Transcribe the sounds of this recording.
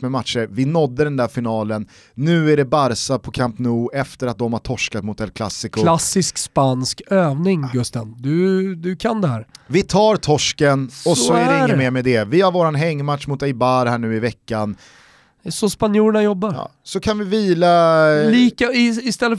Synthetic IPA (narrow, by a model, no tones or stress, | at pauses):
mɛmat̪ʂəɾvɪnɔd̪ːəd̪ɛnd̪æɾfɪnɑːlənː | ʉ̟ːæɖɛbaɾsapʰɔkʰampnuːɛft̪əɾat̪̚d̪ɔmhaʈʰɔʂkat̪mʊt̪ːɛlkʰla̰sːɪkʊlassɪskspanskøːvnɪŋɡɵst̪and̪ɵd̪ɵkʰand̪ɛhæːɾvɪt̪ʰɑːɾt̪ʰɔʂkənɔsɔæɖɛɪŋːəmeːɾmɛd̪ɛvɪhaɾvoːɾanɦɛŋːmat̪ʂmʊt̪ɛjbaɾhæːɳʉ̟ːɪvɛkːan | sɔspanjuːɾɳajɔbːaɾjɑ̰ːsɔkʰanvɪviːlaliːkaɪɪst̪ɛlːə